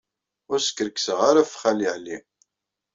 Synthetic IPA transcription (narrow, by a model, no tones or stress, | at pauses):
ʊɾsə̥kːɾəksəʁaɾafχaliʕli